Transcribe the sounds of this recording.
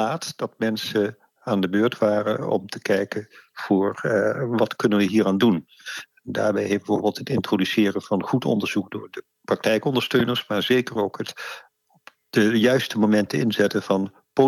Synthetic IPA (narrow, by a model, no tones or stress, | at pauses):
aːtd̥ɑtmɛnsə | aːndəbøːɹtʋaːrənɔ̰mtə̥kɛjkənv̥ʊːɹʋɑtkɵnənʋəɦiːraːndun | nda̰ːɹbɛjɦbəvʊːɹbɪːlˠtɦətɪntrodysɪːrənv̥ɑnχutɔ̰ndəɹz̥uk̚dʊːɹdə | prɑk̚tɛjkɔndəɹstøɥnəɹsmaːɹzejkərowkɦət | ɔp | d̥əjœɥstəmomɛntəɪnzɛtənv̥ɑn | po